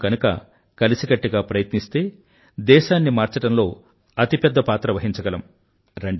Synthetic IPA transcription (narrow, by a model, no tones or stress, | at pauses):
kɐnukɐ̰ | kɐlisiɡɐʈːiɡaːpɾɐjɐt̪nist̪e̞ː | d̪ɛːʃaːnːimaːɾt͡ʃɐʈɐmlo̞ː | ɐt̪ipɛd̪ːɐpaːt̪ɾɐʋɐɦiɲt͡ʃɐɡɐlɐm | ɾɐɳɖ